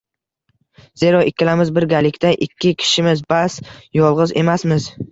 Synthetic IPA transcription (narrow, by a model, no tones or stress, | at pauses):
z̥eɾɒʔɪkʲʰːɪlamɪzbɪɾɡʲalɪkʲt̪aʔɪkʲʰːɪkʲʰɪ̥ʃɪmɪzbasjɒlˠʁɨze̞masmɪz